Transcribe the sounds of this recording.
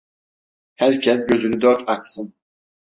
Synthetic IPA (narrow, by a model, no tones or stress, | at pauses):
hæɾcʰɛs̬ɟøzynyd̪ɔɾt̪ʰaksɨn